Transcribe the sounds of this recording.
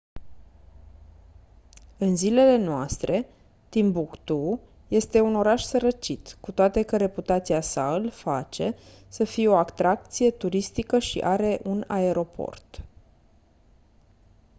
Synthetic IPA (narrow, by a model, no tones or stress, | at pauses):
ɨnzile̞le̞noast̪ɾʔe̞ | t̪imbukt̪u | je̞st̪e̞uno̞ɾaʃsəɾət͡ʃit̪kut̪oat̪e̞kəɾe̞put̪at̪siasaɨlfat͡ʃe̞ | səfijeo̞akt̪ɾak̚t̪sije̞t̪uɾist̪ikəʃḭʔaɾe̞ʔunae̞ɾo̞pʰo̞̰rt̪